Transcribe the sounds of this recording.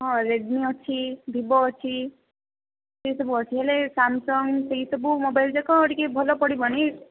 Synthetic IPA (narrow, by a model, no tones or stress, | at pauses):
ɦɔ̃ɾeɖniɔt͡ʃʰibʱibɔːt͡ʃʰi | seisɔbuɔt͡ʃʰiɦelesamsɔŋɡseɦisɔbumobajld͡ʒakɔːʈikebʱɔlɔpɔɽibañi